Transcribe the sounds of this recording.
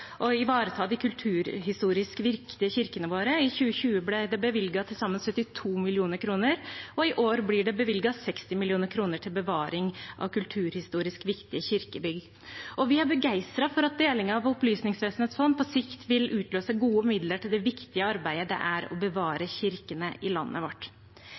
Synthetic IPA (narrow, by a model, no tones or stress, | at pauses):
ʔɔɪʋɑːɾət̪ʰɑːd̪ɪkʰʉlt̪ʰʉːɾɦɪst̪uːɾɪskʋɪɾkt̪ɪəçɪɾkənəʋoːɾəɪçʉːəçʉːəblɛd̪ɛbəʋɪlɡɑt̪ʰɪlsɑmːənsœt̪ːɪt̪ʰuːmɪlɪuːnəɾkʰɾuːnəɾɔɪʔoːɾblɪɖɛbəʋɪlɡɑsɛkst̪ɪmɪlɪuːnəɾkʰɾuːnəʈʰɪlbəʋɑːɾɪŋʔɑ̰ʋkʉlt̪ʰʉːɾhɪst̪uːɾɪskʋɪkt̪ɪəçɪɾkəbʏɡ̪ | ʔɔʋɪhɑɾbəɡæɪst̪ɾɑfɔɾɑt̪̚d̪eːlɪŋəɑʋɔplyːsnɪŋsʋeːsn̩hɛt̪sfɔnd̪pʰɔsɪkt̪ʋɪlʉːt̪løːsəɡuːəmɪd̪ləʈɪld̪ɛʋɪkt̪ɪəɑɾbæɪəd̪ɛ̰ʔæɾɔ̰bəʋɑːɾəçɪɾkənəʔɪlɑnːʔə̰ʋɔʈː